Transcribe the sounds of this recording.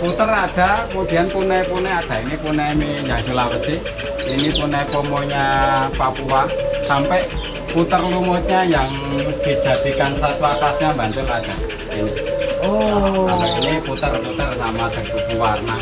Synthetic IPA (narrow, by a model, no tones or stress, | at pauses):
put̪ərad̥a̤kəmud̥i̤anpunɛpunɛad̥a̤inipunɛmiɲaʃulaɾəsi | inipunɛpɔmoɲapapuwasampɛʔ | put̪ərlumot̪̚ɲajaŋ | d̪̥i̤̥d͡ʒ̥a̤d̪̥i̤kansat̪uakasɲambant̪əlad̥a̤ | inio | iniput̪ərput̪ərsamad̪̥ə̤ɡubuwarna